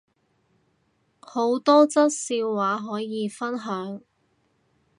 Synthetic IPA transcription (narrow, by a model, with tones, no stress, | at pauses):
ho˨˥wt̪ɔː˥t͡sɐ˥t̚siː˧wːaː˨˥ɦɔː˨˥jiː˨˧fɐ˥nɦœː˨˥ŋ